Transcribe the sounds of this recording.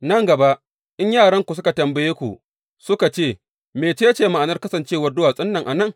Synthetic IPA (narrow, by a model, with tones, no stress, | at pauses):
nɐ˦ŋɡɐ˨ba˦ʔ | ʔɪ˦ɲjaː˦˨ɽɐ˦ŋkʷu˨s̬ʊ˦ka˨tɐ˨mbɐ˨jeː˦kʷṵ˨ʔ | sʊ˦ka˨t͡ʃeː˦˨ | meː˨t͡ʃeː˦t͡ʃeː˦ma˨ʔa˨nɐ˦rkɐ˦sɐ˨nt͡ʃeː˦wɐ˦rdʊ˦waː˨sʼɪ˦nːɐ˨ŋʔa˨nɐ˦˨ŋ